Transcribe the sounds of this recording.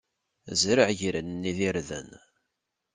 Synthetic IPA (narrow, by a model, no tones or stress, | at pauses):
zɾəʕʝɾənːiðiɾðə̰n